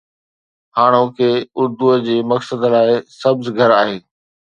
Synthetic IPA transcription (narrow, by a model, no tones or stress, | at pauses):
haːɽ̃okʰeːʊɾd̪uəd͡ʑeːmɐksəd̪laːɪsɐbzɡʱɐɾaːɦeː